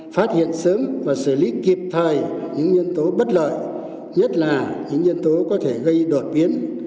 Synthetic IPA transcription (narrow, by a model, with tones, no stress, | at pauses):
faː˦˥t̚hḭ˧˨ənsəː˨˦mvaː˨˩sɨ˧˩li˨˦ki˨˩p̚t̪ʰəː˨˩jɲɨ̰˧˥ŋɲi˧ənt̪o˨˦ɓə˦˥t̚lə̰ː˧˨j | ɲə˦˥t̚laː˨˩ɲɨ̰˧˥ŋɲi˧ənt̪o˨˦kɔ˨˦t̪ʰe˧˩ɣə˧jɗo˨˩t̚ɓi˨˦ən